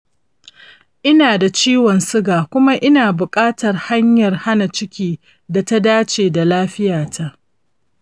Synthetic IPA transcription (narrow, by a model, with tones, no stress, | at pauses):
ʔɪ˦naː˨da˨t͡ʃiː˦wɔ˨nsɪ˦ɡaː˨kʷʊ˦ma˦ʔɪ˦naː˨bʊ˨kʼaː˦tɐ˨rha˦ɲjɐ˨rha˦na˨t͡ʃɪ˦kʲiː˦ | da˨ta˦daː˦t͡ʃeː˨da˨laː˦ɸɪ˦jaː˨tʰa˦ʔ